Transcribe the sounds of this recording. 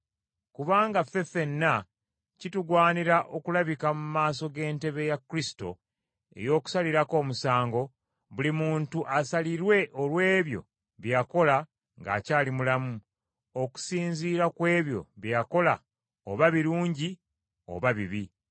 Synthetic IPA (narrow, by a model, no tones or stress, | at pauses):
kuβaːŋɡafe̞fe̞nːa | cituɡwaːniɾaʔo̞kulaβikamumaːs̬o̞ɡe̞ːnte̞βe̞jakːɾisi̥to̞̰ | e̞̰jo̞ːku̥saliɾako̞ːmusaːŋɡo̞ | βulimuːntuʔasaliɾwe̞ʔolwe̞ːβjo̞̰ | βjako̞la | ŋɡa̰caːlimulamu | oku̥siːnziːɾakwe̞ːβjo̞̰βjako̞la | oβaβiɾuːɲɟi | o̞̰βaβiβi